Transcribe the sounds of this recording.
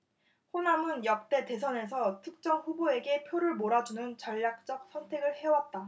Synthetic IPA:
ɸonamɯnjʌk̚t͈e̞te̞s̬ʰʌne̞sʰʌtʰɯk̚t͡ɕ͈ʌŋɸuboe̞ɡe̞pʰjoɾɯɭmoɾad͡ʑunɯnt͡ɕʌʎːak̚t͡ɕ͈ʌk̚s͈ʰʌntʰe̞ɡɯɭhe̞wat̚t͈a

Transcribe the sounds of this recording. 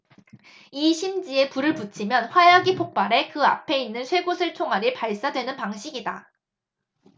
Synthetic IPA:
iɕʰimd͡ʑie̞puɾɯɭput͡ɕʰimjʌnɸwajaɡipʰok̚p͈aɾe̞kɯa̰pʰe̞inːɯnsʰwe̞ɡosʰɯɭt͡ɕʰoŋɦaɾipaɭs͈adwe̞nɯnpaŋɕʰiɡida

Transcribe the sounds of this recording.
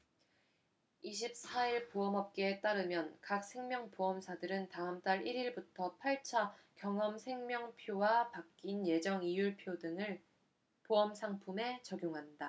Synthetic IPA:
iɕ̬ʰip̚s͈ʰaiɭpoʌmɦʌp̚k͈et͈aɾɯmjʌnkak̚s͈ʰe̞ŋmjʌŋpoʌmsʰadɯɾɯntaɦɯmt͈aɾiɾiɭbutʰʌpʰaɭt͡ɕʰa | kjʌŋʌmsʰe̞ŋmjʌŋpʰjowapakk͈inje̞d͡ʑʌŋijuɭpʰjodɯŋɯɭ | poʌmsʰaŋpʰume̞t͡ɕʌɡjoŋɦanda

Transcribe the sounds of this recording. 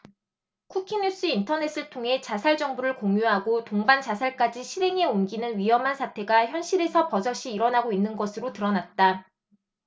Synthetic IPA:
kʰukʰiɲus͈ɯintʰʌne̞s͈ɯɭtʰoŋɦe̞t͡ɕasʰaɭd͡ʑʌŋbuɾɯɭkoŋjuɦaɡotoŋbant͡ɕasʰaɭk͈ad͡ʑiɕʰiɾe̞ŋe̞omɡinɯnɥiɦʌmɦansʰatʰe̞ɡaçjʌnɕʰiɾe̞sʰʌpʌsʰʌɕ͈iːɾʌnaɡoinːɯnɡʌsʰɯɾotɯɾʌnat̚t͈a

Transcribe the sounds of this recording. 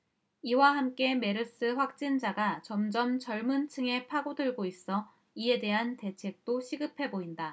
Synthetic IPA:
iwaɦamk͈e̞me̞ɾɯs͈ɯɸwak̚t͡ɕ͈ind͡ʑaɡat͡ɕʌmd͡ʑʌmt͡ɕʌɭmunt͡ɕʰɯŋe̞pʰaɡodɯɭɡois͈ʌ | ie̞de̞ɦante̞t͡ɕʰe̞k̚t͈oɕʰiɡɯpʰe̞boinda

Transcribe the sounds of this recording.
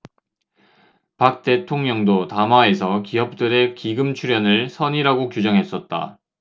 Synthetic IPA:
pak̚t͈e̞tʰoŋɲʌŋdotamae̞sʰʌkiʌp̚t͈ɯɾe̞kiɡɯmt͡ɕʰuɾjʌnɯɭsʰʌɲiɾaɡokjud͡ʑʌŋɦe̞s͈ʌt̚t͈a̰

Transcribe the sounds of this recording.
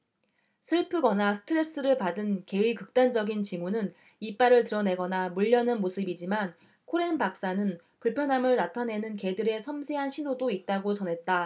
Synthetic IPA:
sʰɯɭpʰɯɡʌnasʰɯ̥tʰɯɾe̞s͈ɯɾɯɭpadɯnke̞ikɯk̚t͈and͡ʑʌɡint͡ɕimunɯn | ip͈aɾɯɭtɯɾʌne̞ɡʌnamuʎːʌnɯnmosʰɯbid͡ʑiman | kʰoɾe̞npak̚s͈anɯn | puɭpʰjʌnɦamɯɭnatʰane̞nɯnke̞dɯɾe̞sʰʌmsʰe̞ɦanɕʰinodoit̚t͈aɡot͡ɕʌnɦe̞t̚t͈a

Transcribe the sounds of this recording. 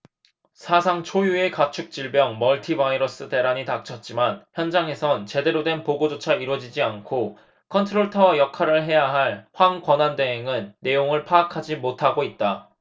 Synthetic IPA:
sʰasʰaŋt͡ɕʰojue̞kat͡ɕʰuk̚t͡ɕ͈iɭbjʌŋmʌɭtʰibaiɾʌs͈ɯte̞ɾaɲitak̚t͡ɕʰʌt̚t͡ɕ͈imançjʌnd͡ʑaŋe̞sʰʌnt͡ɕe̞de̞ɾodwe̞npoɡod͡ʑot͡ɕʰaiɾwʌd͡ʑid͡ʑiankʰo | kʰʌntʰɯɾoɭtʰʌjʌkʰaɾɯɭɦe̞jaɦaɭɸwaŋkwʌnandweŋɦeŋɯnːe̞joŋɯɭpʰaːkʰad͡ʑimotʰaɡoit̚t͈a

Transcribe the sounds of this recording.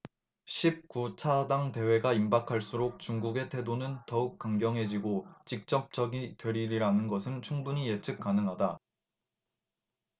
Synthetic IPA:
ɕʰip̚kut͡ɕʰadaŋte̞we̞ɡaimbakʰaɭs͈uɾok̚t͡ɕuŋɡuɡe̞tʰe̞donɯntʌuk̚k͈aŋɡjʌŋɦe̞d͡ʑiɡot͡ɕik̚t͡ɕ͈ʌp̚t͡ɕ͈ʌɡitwe̞ɾiɾiɾanɯnɡʌsʰɯnt͡ɕʰuŋbuɲijet͡ɕʰɯk̚k͈anɯŋɦada

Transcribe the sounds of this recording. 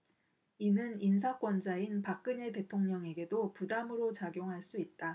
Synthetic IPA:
inɯnins̬ʰak͈wʌnd͡ʑainpak̚k͈ɯɲe̞te̞tʰoŋɲʌŋe̞ɡe̞dopudamɯɾot͡ɕaɡjoŋɦaɭs͈uit̚t͈a

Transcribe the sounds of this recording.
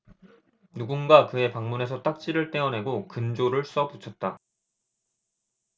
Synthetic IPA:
nuɡunɡakɯe̞paŋmune̞sʰʌt͈ak̚t͡ɕ͈iɾɯɭt͈e̞ʌnɦe̞ɡokɯnd͡ʑoɾɯɭs͈ʌput͡ɕʰʌt̚t͈a

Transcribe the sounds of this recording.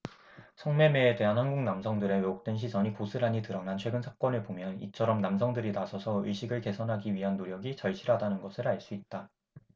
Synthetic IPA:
sʰʌŋme̞me̞ːde̞ɦanhanɡuŋnamsʰʌŋdɯɾe̞weok̚t͈wenɕ̬ʰisʌɲikosʰɯɾaɲitɯɾʌnant͡ɕʰwe̞ɡɯnsʰḁk͈ʌnɯɭpomjʌnit͡ɕʰʌɾʌmnamsʰʌŋdɯɾinasʰʌsʰʌɯɭɕ͈ʰiɡɯɭke̞sʰʌnɦaɡiɥiɦanːoɾjʌɡit͡ɕʌɭɕʰiɾɦadanɯnɡʌsʰɯɾaɭs͈uit̚t͈a

